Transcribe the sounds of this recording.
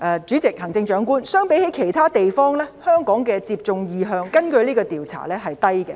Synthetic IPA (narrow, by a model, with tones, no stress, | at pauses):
ʔɛː˨t͡ʃyː˨˥t͡sɪ˨k̚hɐ˨˩ŋt͡sɪ˧ŋt͡ʃœː˨˧˥ŋkuː˥nsœː˥ŋpe˨˥jhe˨˥jkʰe˨˩jt̪ʰaː˥t̪e˨jfɔː˥ŋlɛː˥hœː˥ŋkɔː˨˥ŋkɛː˧t͡siː˧p̚t͡sʊ˧ŋjiː˨˧ɦœː˧ŋkɐ˥nkɵ˧ɥliː˥kɔː˧t̪iː˨wt͡sʰa̰ː˨˩lɛː˥ɦɐ˨jt̪ɐ˥jkɛ˧